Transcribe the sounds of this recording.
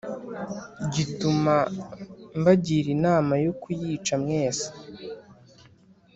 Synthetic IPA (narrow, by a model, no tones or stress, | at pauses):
ɟituma | mbaɟiɾinaːmajokujiːt͡ʃamŋe̞ːsḁ